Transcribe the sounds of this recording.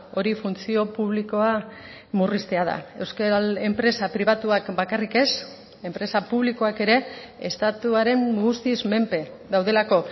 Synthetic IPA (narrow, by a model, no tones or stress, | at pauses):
o̞ɾifunt͡sio̞puβ̞liko̞a | murist̪e̞að̞a̰e̞wskee̞mpɾe̞sapɾiβat̪uakbakarike̞s | e̞mpɾe̞sapuβliko̞ake̞ɾe̞est̪at̪uaɾe̞mɡust̪izme̞mpe̞ | d̪awð̞e̞lako̞